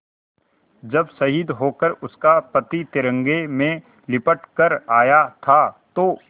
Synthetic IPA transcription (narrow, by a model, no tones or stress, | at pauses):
d͡ʒɐbsɐɦid̪ɦoːkəɾʊskapɐt̪it̪ɪɾə̃ŋɡemẽ | lɪpəʈkəɾaːjat̪ʰat̪oː